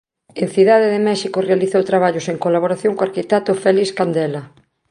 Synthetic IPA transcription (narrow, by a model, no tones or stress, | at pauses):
en̟θiðaðeðɪmɛʃikorealiθowt̪ɾaβaʎoseŋkolaβoɾaθjoŋkoaɾkit̪ɛt̪ʊfɛliskand̪ɛla